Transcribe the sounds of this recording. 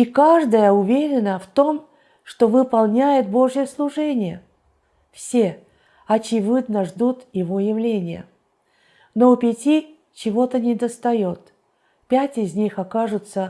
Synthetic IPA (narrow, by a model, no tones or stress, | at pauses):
ikaʐd̪əjəʊvʲeɾʲɪnəft̪o̞m | ʂt̪o̞vɨpɐlˠnʲæjɪt̪̚bo̞ʐjəslˠʊʐɛnʲɪjə | fsʲe | ɐt͡ɕɪvɨd̪nəʐd̪ut̪jɪvo̞jɪvlʲenʲɪjə̰ | noʊpʲɪtʲi | t͡ɕɪvo̞t̪ənʲɪd̪əst̪ɐjot̪ | pʲætʲɪzʲnʲixɐkaʐʊt̪sə